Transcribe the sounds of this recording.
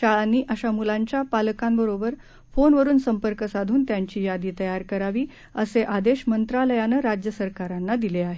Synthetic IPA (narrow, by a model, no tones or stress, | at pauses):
aanːiːʔaɕamulaɲt͡ɕjapaləkambəɾobəɾ | fonʋəɾuːnsəmpəɾkəsad̪ʱuːnt̪jaɲt͡ɕiːjad̪iːt̪əjaɾkəɾaʋiː | əseʔad̪eɕmənt̪ɾaləjanəɾad͡ʑjəsəɾkaɾanːad̪ileaɦe